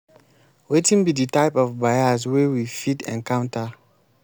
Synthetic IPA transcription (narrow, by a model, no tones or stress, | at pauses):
wetĩnbiditaɪpɔvbajaswewifidɛ̰̃nkãʊ̃nta